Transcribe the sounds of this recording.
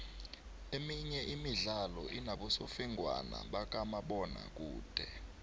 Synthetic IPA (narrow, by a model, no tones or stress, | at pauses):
emiɲɛʔimiɮalɔ̰ʔinaɓɔsofiŋɡʱwa̰na̰ɓak̬ʼamaɓɔna̰k̬ʼuːd̥ʱɛ